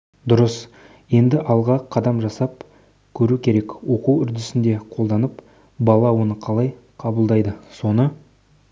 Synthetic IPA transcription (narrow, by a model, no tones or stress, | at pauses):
d̪ʊɾəs | je̞nd̪ɪʔɑlˠʁɑqʰɑd̪ɑmʒɑsɑp̚ | kʲʰɵɾukʲʰe̞ɾe̞kwo̞quwʏɾd̪ɪsɪnd̪e̞qʰolˠd̪ɑnəp | bɑlˠɑwonəqʰɑlˠɑjqʰɑbəlˠd̪ɑjd̪əso̞nə